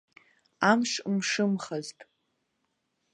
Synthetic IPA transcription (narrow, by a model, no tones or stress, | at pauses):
amʂmʂɨmχaztʼ